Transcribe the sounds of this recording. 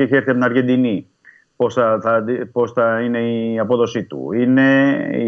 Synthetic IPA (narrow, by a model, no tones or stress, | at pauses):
eçeɾθɐt̪inɐɾʝe̞nd̪ini | po̞sθɐθɐpo̞sθɐine̞iɐpo̞ðo̞sit̪ṵine̞